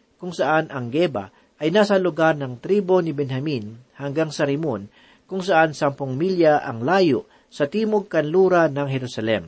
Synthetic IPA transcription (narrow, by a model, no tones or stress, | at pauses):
kʊŋsɐʔanɐŋɡɛbɐ̰ | ʔɐjnaːsɐlʊɡaɾnɐŋt̪ɾiːbo̞nɪbɛnhɐminhɐŋɡaŋsɐɾɪmon | kʊŋsɐʔansɐmpʊŋmiljɐʔɐŋlaːjoʔ | sɐt̪iːmoɡ̚kɐnluːɾɐnɐŋhɛɾʊsɐlɛ̰m